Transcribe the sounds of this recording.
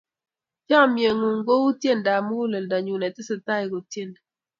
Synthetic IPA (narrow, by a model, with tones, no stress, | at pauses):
t͡ʃa˦˨mje˨ŋu˨ŋɡo˦wu˦tje˦˨nda˨mo˦u˦le˨lda˨ɲu˨nɛ˨tɪ˦sɪ˨ta˦i˨ɡo˨tje˦˨n